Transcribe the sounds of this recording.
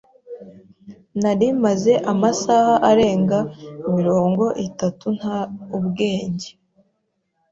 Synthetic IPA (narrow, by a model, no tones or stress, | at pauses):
naɾimaze̞ʔamasahaʔaɾe̞ːŋɡaimiɾo̞ːŋɡo̞ʔitatun̥haubɡe̞ːɲɟe̥